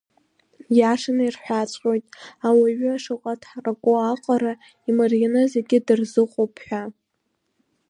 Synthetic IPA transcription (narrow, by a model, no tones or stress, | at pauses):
jaʂanairħʷᶣat͡ɕʷʼqʲʼojtʼawaɥʏaʂɨqʼatʰħrakʷʼʊaqʼaɾa | imarjanɨzeɡʲɪdɨrzɨqʷʼowpʰħʷᶣa